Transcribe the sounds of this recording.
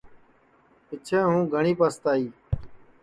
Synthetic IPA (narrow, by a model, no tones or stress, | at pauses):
pɪt͡ʃʰẽːɦũːɡʱəɳiːpəst̪aːiː